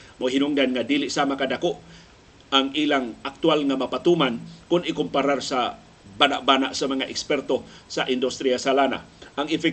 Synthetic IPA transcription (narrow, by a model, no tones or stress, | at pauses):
moɦinʊŋdanŋadilɪʔsamakadakoʔ | aŋʔilaŋʔak̚t̪ualŋamapat̪umankʊnɪkʊmpaɾarsa | banaʔ̚banaʔsamaŋaʔɛkspɛrt̪osaʔɪnd̪ʊst̪ɾiasalana̰ʔaŋɪfɛk